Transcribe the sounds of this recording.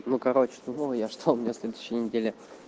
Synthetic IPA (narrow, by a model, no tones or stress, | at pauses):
nukɐɾot͡ɕɪ̥d̪umojaʂt̪ʰoʊmʲɪnʲasʲlʲed̪ʊɕːɪjnʲɪdʲelʲɪ